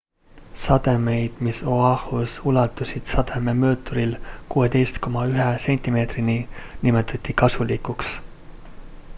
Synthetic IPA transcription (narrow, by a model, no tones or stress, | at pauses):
sɑd̪e̞me̞jd̪̥miso̞ɑhusulɑt̪ːˑusid̪̥sɑd̪̥e̞me̞mø̞ːt̪ːˑoɾilkuːe̞t̪e̞jst̪ko̞mɑyɦese̞nʲt̪ʲime̞ːt̪rininimet̪ʰːˑɑt̪ʲːikɑsulikuks